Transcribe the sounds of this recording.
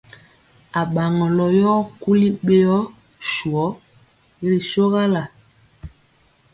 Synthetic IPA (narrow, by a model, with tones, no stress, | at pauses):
a˨ɓa˨ŋɔ˨lɔ˨jɔ˦ku˦li˦ɓe˦ɔ˦ | ʃu˨ɔ˨˦ | i˦ɾi˨so˦ɣa˦la˨